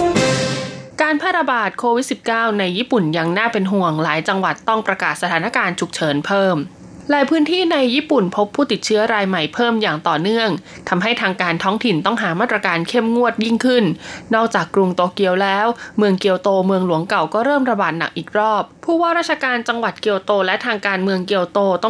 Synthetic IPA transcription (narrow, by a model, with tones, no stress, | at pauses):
kaː˧npʰaː˥˩ɾa˧baː˨˩t̪̚kʰoː˧wi˦˥t̪̚si˨˩p̚kaː˥˩wna˧jːiː˥˩pu˨˩nja˧ŋnaː˥˩pe˧nɦu˨˩əŋlaː˩˦jt͡ɕa˧ŋwa˨˩t̪ːɔ˥˩ŋpɾa˧kaː˨˩t̪̚sa˧t̪ʰaː˩˦na˦˥kaː˧nt͡ɕʰu˨˩k̚t͡ɕʰɤː˩˦npʰɤː˥˩m | laː˨˦jpʰɯː˦˥nt̪ʰiː˥˩na˧jːiː˥˩pu˨˩npʰo˦˥pʰːuː˥˩t̪i˨˩t̪̚t͡ɕʰɯ˦˥ɐɾaː˧jma˨˩jpʰɤː˥˩mjaː˨˩ŋt̪ɔː˨˩nɯ˥˩əŋ | t̪ʰa˧mɦa˥˩jt̪ʰaː˧ŋkaː˧nt̪ʰɔː˦˥ŋt̪ʰi˨˩nt̪ɔ˥˩ŋɦaː˩˦maː˥˩t̪̚ɾa˧kaː˧nkʰe˥˩mŋu˥˩ət̪̚ji˥˩ŋkʰɯ˥˩nːɔː˥˩k̚t͡ɕaː˨˩kːɾu˧ŋt̪oː˧ki˧əwlɛː˦˥wmɯ˧əŋki˧əwt̪oː˧mɯ˧əŋlu˩˦əŋka˨˩wkɔː˥˩ɾɤː˥˩mɾa˧baː˨˩t̪̚na˨˩k̚ʔiː˨˩k̚ɾɔː˥˩p̚ʰːuː˥˩waː˥˩ɾaː˥˩t̚t͡ɕʰa˧kaː˧nt͡ɕa˧ŋwa˨˩t̪̚ki˧əwt̪oː˧lɛ˦˥ʔt̪ʰaː˧ŋkaː˧nmɯ˧əŋki˧əwt̪oː˧t̪ɔ˥˩